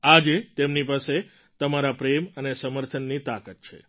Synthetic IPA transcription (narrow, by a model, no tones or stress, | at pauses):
ad͡ʒet̪emnipase | t̪əmaɾapɾemənesəməɾt̪ʰənːit̪akət̪̚t͡ʃʰḛ